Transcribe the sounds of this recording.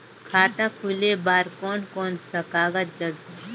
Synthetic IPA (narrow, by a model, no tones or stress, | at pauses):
kʰaːt̪ãkʰulebaːɾkoːnkoːnsɐkaːɡət̪̚d͡ʒɐɡ